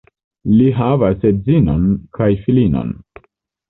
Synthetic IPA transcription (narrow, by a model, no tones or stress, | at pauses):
liɦavasezinonkʰajfilino̰n